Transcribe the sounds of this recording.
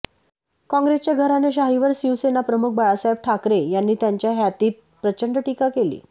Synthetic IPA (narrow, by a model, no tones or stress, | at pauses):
kɔ̃ŋɡɾest͡ɕjaɡʱəɾaneɕ̬aɦiʋəɾsiʋsenapɾəmuk̚ʰbajasajʋ̚ʈʰakɾejanːiːt̪jaɲt͡ɕjaɦjat̪iːt̪̚pɾət͡ɕəɳɖəʈikakelḭː